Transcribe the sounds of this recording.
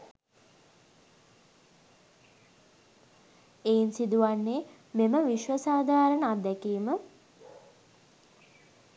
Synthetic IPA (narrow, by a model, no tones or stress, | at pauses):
eːinsid̪uʋanːe | meməʋiʃʋəsaːd̪ʱaːɾənəad̪ɛkiːmə